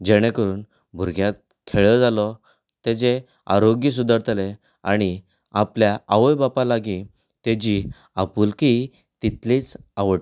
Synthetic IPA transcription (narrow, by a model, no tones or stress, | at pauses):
d͡ʑeɽ̃ekəɾuːn | bʱuɾɡʱjat̪̚ | k̪ʰeɭɔd͡zalɔ | t̪ed͡ze | a̰ɾoɡjəs̬ud̪ʱəɾt̪ʰle | a̰ɽ̃i | apljaaʋəjbapalaɡĩ | t̪ed͡ʑi | apuːlki | t̪it̪lit͡saʋəʈ